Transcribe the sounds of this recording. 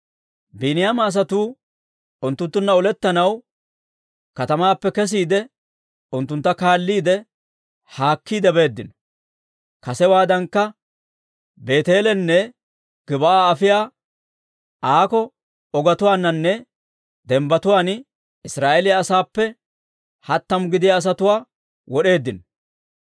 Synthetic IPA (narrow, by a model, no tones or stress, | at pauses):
binɪjaːmɐːs̬ɐt̪uː | ʊnt̪ːʊnt̪ːʊnːɐɔlɛt̪ːɐnɐw | kɐt̪ɐmaːpːɛkɛs̬iːd̪ɛ | ʊnt̪ːʊnt̪ːɐkaːlːiːd̪ɛ | haːkːiːd̪ɛbe̞ːd̪ːɪnɔ̥ | kɐsɛwaːd̪ɐŋkːɐ | be̞ːt̪eːlɛnːɛ | ɡ̥ɪbɐʔaːɐfɪjaː | ʔaːkɔ | ɔɡɐt̪ʊwaːnːɐnːɛ | d̪ɛmbɐt̪ʊwaːn | ɪsɾaːʔɛlɪjaːsaːpːɛ | hɐt̪ːɐmʊɡɪd̪ɪjaːs̬ɐt̪ʊwaː | wɔɗe̞ːd̪ːɪnɔ